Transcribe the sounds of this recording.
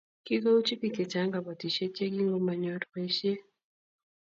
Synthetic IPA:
ki˦ka˦u˦t͡ʃi˦ki˨ke˨t͡ʃa˨˦ŋɡa˨ba˨ti˨ʃe˦t͡ʃe˦ɡi˦ŋɡo˦ma˨ɲɔ˦tke˦ʃe˦

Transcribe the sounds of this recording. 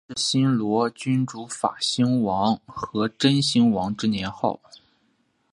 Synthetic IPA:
ɕi˥nlwɔ˧˥t͡ɕy˥nʈ͡ʂu˧˥fa̰˨˩ɕi˥ŋwɑ˧˥ŋxɤ˧˥ʈ͡ʂə˥nɕi˥ŋwɑ˧˥ŋʈ͡ʂɻ̩˥njɛ˧˥nxo˥˩ʊ

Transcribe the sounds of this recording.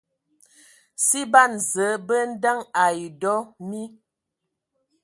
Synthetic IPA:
si˦ba˦˨nzə˨˦bə˦n̩˦da˦ŋa˨i˨dɔ˦mi˦

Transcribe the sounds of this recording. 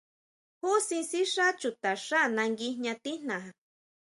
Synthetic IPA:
hu˦si˧nsi˦ʂa˦t͡ʃu˨t̪a˨ʂa˦nã˧ŋɡi˧hɲã˧t̪i˦n̥ã˨ha˨

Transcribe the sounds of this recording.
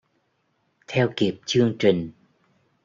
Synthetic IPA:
t̪ʰɛ˧wki˨˩p̚t͡ɕɨ˧əŋt͡ɕï˨˩ŋ̟

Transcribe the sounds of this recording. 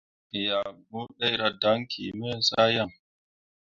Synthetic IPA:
ja˨bu˦ɗa˦jɾa˨da˦ŋkʰḭ˨mɛ˦n˦sa˦ja˦˨ŋ

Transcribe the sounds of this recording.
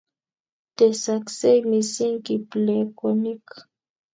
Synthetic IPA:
t̪e˨sa˨kse˦jmi˨si˦ŋki˨ple˨ko˨ni˦k

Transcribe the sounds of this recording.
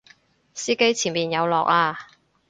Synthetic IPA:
siː˥ke˥jt͡sʰiː˨˩nmiː˨˩njɐ˨˧wlɔ̰ː˨k̚aː˧

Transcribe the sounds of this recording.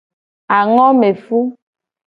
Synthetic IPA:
a˨ŋɔ˦me˨fu˦

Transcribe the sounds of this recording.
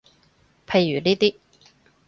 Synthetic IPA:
pʰe˧jːyː˨˩niː˥t̪iː˥

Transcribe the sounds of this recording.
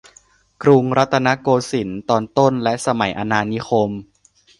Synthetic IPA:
kɾu˧ŋɾa˦˥t̪ʰːa˧na˦˥koː˧si˩˦nt̪ɔː˧nt̪o˥˩nlɛ˦˥ʔsa˧ma˩˦jʔa˧naː˧ni˦˥xʰo˧m

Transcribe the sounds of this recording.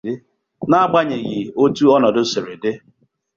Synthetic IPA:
ɪ˦ | na˦ɡ͡ba˦ɲe˨ɣi˨o˦tu˦ɔ˦nɔ˨dʊ˦se˨ɾe˨dɪ˦

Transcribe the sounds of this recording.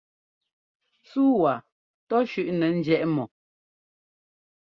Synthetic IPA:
suː˦wa˨ | tɔ˦ʃʉ˦˨ʔnɛ˨n̩˦d͡ʒjɛ˦˨ʔmɔ˨

